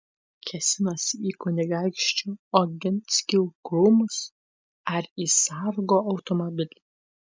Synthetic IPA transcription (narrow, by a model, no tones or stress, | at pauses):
kʲʰɛsʲɪnɐsʲikʊnʲɪɡɑˑɪkʃʲt͡ʃʲuːɔɡʲɪnʲsʲkʲiwɡɾuːmʊs | ɐɾiːsɑɾɡoʔɐʊt̪ɔmɔbʲɪlʲ